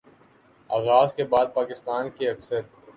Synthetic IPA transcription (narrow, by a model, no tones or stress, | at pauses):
aːɣaːzkebaːd̪̚paːkɪst̪aːnkeɐksəɾ